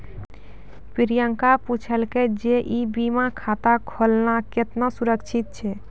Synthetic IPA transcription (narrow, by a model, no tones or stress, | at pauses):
piɾijəŋkaput͡ʃʰəlked͡ʒeʔibimakʰat̪akʰolnaket̪nasuɾəkt͡ʃʰit̪̚t͡ʃʰɛ